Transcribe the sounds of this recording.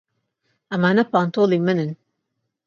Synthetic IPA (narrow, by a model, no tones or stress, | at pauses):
ɐmaːnɐpaːnt̪ʰolimɨnɨn